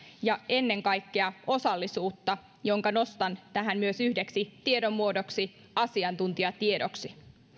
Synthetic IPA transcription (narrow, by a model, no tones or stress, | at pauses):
jɑe̞nːe̞ŋkɑjkːe̞ɑo̞sɑlːisuːt̪ːɑ | jo̞ŋkɑno̞st̪ɑnt̪æɦæmmyøsyhdeksit̪ie̞do̞mːuodo̞ksi | ɑsiɑnt̪unt̪iɑt̪iedoksi